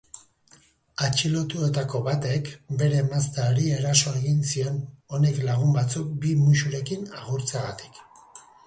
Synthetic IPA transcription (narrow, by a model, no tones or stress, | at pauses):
at͡ʃilo̞t̪ue̞t̪ako̞βat̪e̞kbe̞ɾe̞mast̪aoɾie̞ɾaso̞e̞ɣinsio̞no̞ne̞klaɣ̞umbat͡suk̚bimuʃuɾe̞kinaɣ̞uɾt͡seaɣat̪i̥k